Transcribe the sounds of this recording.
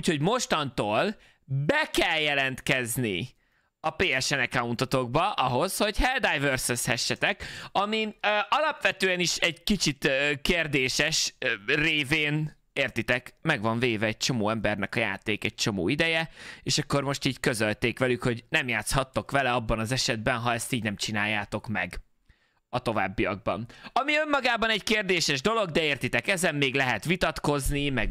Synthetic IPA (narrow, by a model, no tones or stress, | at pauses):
ucho̞ɟmo̞ʃt̪ɒnt̪oːl | bɛkɛljɛlɛnt̪kɛzni | ɒpeːɛʃɛnɛkaunt̪ot̪o̞ɡ̚bɒʔɒɦo̞sho̞ɟhɛld̪ajvørsøshɛʃːɛt̪ɛkɒmiøɒlɒpʋɛt̪øːɛniʃɛɟkit͡ʃit̪ːkeːrd̪eːʃɛʃreːveːn | eːrt̪it̪ɛkmɛɡʋɒɱveːvɛːɟ̚t͡ʃo̞moːɛmbɛrnɛkɒja̰ːt̪eːkɛɟ̚t͡ʃo̞moːid̪ɛjɛeːʃɒkːo̞rmo̞ʃt̪iːɟkø̞zølt̪eːkʋɛlykho̞ɟnɛmjaːt̪shɒt̪ːo̞kʋɛlɛɒbːɒnɒzɛʃɛd̪̚bɛnɦɒɛst̪iːɟnɛmt͡ʃinaːjːaːt̪o̞kmɛ̰ɡ | ɒt̪o̞va̰ːbːijɒ̰ɡ̚bɒ̰nɒmiømːɒɡaːbɒnɛɟkeːrd̪eːʃɛʒd̪o̞lo̞ɡd̪ɛeːrt̪it̪ɛkɛzɛmːeːɡlɛɦɛt̪ʋit̪ɒt̪ko̞znimɛɡ